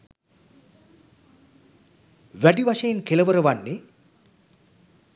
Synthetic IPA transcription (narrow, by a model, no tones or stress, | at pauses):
ʋæɖiʋaʃəjenkeləʋəɾəʋanːe